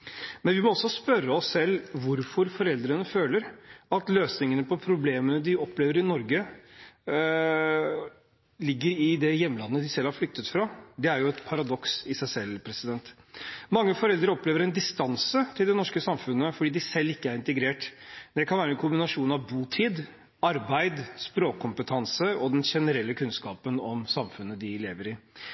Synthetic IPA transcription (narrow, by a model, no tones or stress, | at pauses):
mɛnʋɪmɔɔsːɔspœɾːəɔsːɛlːʋʊɾfɔɾfɔɾɛld̪ɾənəføːləɾɑt̪løːsnɪŋənəpʰɔpʰɾʊbleːmənəd̪ɪɔpleːʋəɾɪnɔɾɡə | lɪɡːəɾɪd̪ɛjɛmːəlɑnːəd̪ɪsɛlhɑɾflʏk̚t̪ət̪fɾɑːd̪ɛæɾjʊɛt̪pʰɑɾɑd̪ɔksɪsæɪsɛlːpʰɾɛsɪd̪ɛnt̪ | mɑŋːəfɔɾɛld̪ɾəɔpleːʋəɾɛnd̪ɪst̪ɑnsət̪ʰɪld̪ɛnɔʂkəsɑmfʉnːəfɔɖiːd̪ɪsɛlːɪkːəæɾɪnt̪əɡɾeːʈd̪ɛkʰɑnʋæːɾəɛnkʰʊmbɪnɑʂuːnɑʋbuːt̪ʰiːd̪ | ɑɾbæɪd̪spɾoːkkʰːʊmpət̪ʰɑnsəɔd̪ɛnʂɛnəɾɛlːəkʰʉnskɑːpənɔmsɑmfʉnːəd̪ɪlḛːʋəɾɪ